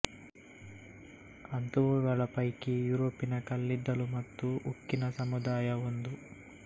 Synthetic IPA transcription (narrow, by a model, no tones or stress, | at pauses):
ɐnt̪uʋuɡɐɭɐpɐjkijuːɾoːpinɐkɐlːid̪ːɐlumɐt̪ːuukːinɐsɐmud̪aːjɐond̪u